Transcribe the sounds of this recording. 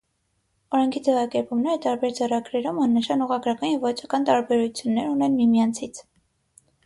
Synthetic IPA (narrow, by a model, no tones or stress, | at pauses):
ɔɾɛŋkʰid͡zɛvɑkɛɾpumnɛɾət̪ɑɾbɛɾd͡zɛrɑɡɾɛɾumɑnːəʃɑnuʁɑɡɾɑkɑnjɛvvɔt͡sʰɑkɑnt̪ɑɾbɛɾut͡sʰjunːɛɾunɛnmimjɑnt͡sʰit͡sʰ